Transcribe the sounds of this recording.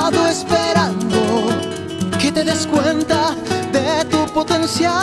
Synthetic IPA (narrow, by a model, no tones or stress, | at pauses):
ðoespeɾãnd̪o | ket̪e̞ðeskwent̪aðet̪upot̪ensja